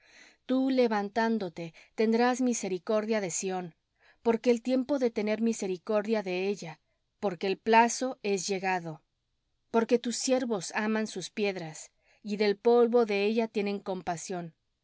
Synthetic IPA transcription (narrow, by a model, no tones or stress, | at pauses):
t̪ule̞βant̪and̪o̞t̪e̞t̪e̞nd̪ɾazmise̞ɾiko̞ɾðjaðe̞sio̞n | po̞ɾke̞ːlt̪je̞mpo̞ðe̞t̪e̞ne̞ɾmise̞ɾiko̞ɾðjaðe̞e̞ʝa | po̞ɾke̞ːlplaso̞e̞zʝe̞ɣaðo̞ | po̞ɾke̞t̪usːje̞ɾβo̞samansuspje̞ðɾas | iðe̞lpo̞lβo̞ðe̞e̞ʝat̪je̞ne̞ŋko̞mpasjo̞n